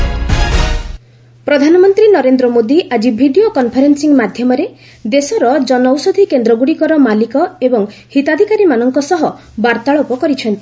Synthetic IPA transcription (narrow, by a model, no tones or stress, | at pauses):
pɾɔd̪ʱanɔmɔnt̪ɾinɔɾend̪ɾɔmod̪iʔad͡ʒibʱiɖiokɔnpʰɔɾensiŋmad̪ʱjɔmɔɾe | d̪esɔɾɔd͡ʒɔnɔwsɔd̪ʱikend̪ɾɔɡuɽikɔɾɔmalikɔebɔŋhit̪ad̪ʱikaɾimanɔŋkɔsɔɦɔ | baɾt̪aɭɔpɔkɔɾit͡ʃʰɔnt̪i